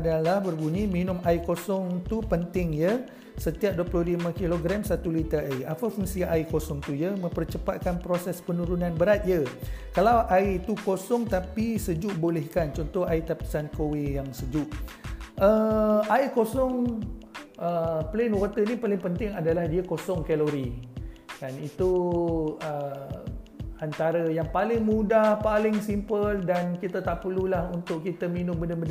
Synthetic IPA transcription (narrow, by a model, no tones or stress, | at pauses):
adalahbərɡuniminʊmaikosɔŋt̪upənt̪ɪŋjə | sət̪iap̚duəplɔɦlimãkiloɡɾamsat̪ulit̪əaiʔapafuŋsiaʔaikosɔŋt̪ujəmə̃mpərt͡ʃəpat̪̚kanpɾosɛspənũɾunãnbəɾat̪̚jəkalawʔaiit̪ukosɔŋt̪apisəd͡ʒuʔbolɛhkant͡ʃɔnt̪ɔhait̪api̥sankowijaŋsəd͡ʒuʔ | əajkosɔŋ | əplenwot̪ənipalɪŋpənt̪ɪŋadalahdiakosɔŋkɛloɾi | kanit̪u | ə | ant̪aɾəjaŋpalɪŋmũdahpalɪŋsimpəldankit̪at̪aʔpəlulahunt̪ʊʔkit̪əminʊ̃mbəndəbənd